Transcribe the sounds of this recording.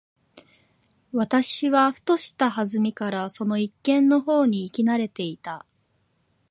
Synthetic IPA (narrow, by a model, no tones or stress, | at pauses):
βat̪aɕiβaɸɯ̟̥t̪o̞ɕi̥t̪ahazɨmʲikaɾaso̞no̞ikːẽ̞nːo̞ɦo̞ːɲ̟iːkʲinaɾe̞t̪e̞it̪a